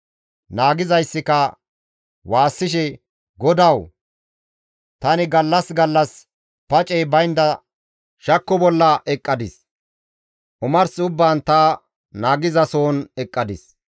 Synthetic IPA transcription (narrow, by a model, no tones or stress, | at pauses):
naːɡɪzɐjsːɪkɐ | waːsːɪʃ̬ɛ | ɡɔd̪ɐw | t̪ɐnɪɡɐlːɐsɡɐlːɐs | pɐt͡ʃʼɛjbɐjnd̪ɐ | ʃɐkːɔbɔlːɐʔɛkʼːɐd̪ɪs | ʔʊmɐɾsɪʊbːaːnt̪ɐ | naːɡɪzɐso̞ːnɛkʼːɐd̪ɪs